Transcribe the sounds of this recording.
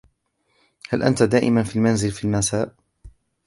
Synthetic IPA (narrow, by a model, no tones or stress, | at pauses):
halʔa̰nt̪ad̪aːʔɪ̰manfiːlmanzɪlfiːlmasaːʔ